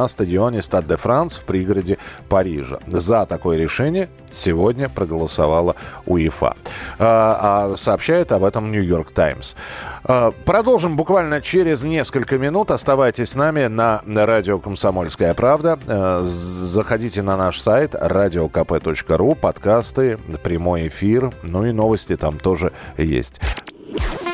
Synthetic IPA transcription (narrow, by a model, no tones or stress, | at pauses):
əst̪ədʲɪo̞nʲɪst̪ad̪ɨfɾant̪sfpɾʲiɡəɾədʲɪpɐɾʲḭʐə̰zət̪ɐko̞jəɾʲɪʂɛnʲɪjə | sʲɪvo̞dʲnʲəpɾəɡəlˠəsavalˠəʊɪfa̰ | sɐːpɕːæjɪt̪ɐbɛt̪əmnʲʊjo̞rkt̪a̰ɪmsəpɾɐd̪o̞lˠʐɨmbʊkvalʲnət͡ɕeɾʲɪznʲe̞skəlʲkəmʲɪnut̪ɐst̪ɐvajtʲɪsʲsnamʲɪnəɾadʲɪokəmsɐmo̞lʲskəjəpɾavd̪ə | zəxɐdʲitʲɪnɐnaʂsajt̪radʲɪokɐpɛt̪o̞t͡ɕkəɾupɐt̪kast̪ɨpɾʲɪmo̞jɪfʲirnuino̞vəsʲtʲɪt̪amt̪o̞ʐɨjḛsʲtʲ